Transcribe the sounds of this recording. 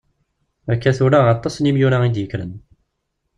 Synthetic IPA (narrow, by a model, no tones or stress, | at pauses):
ækːæθuɾaʁɑt̪ˤːɑsnimjuɾæid̪jəkːɾə̰n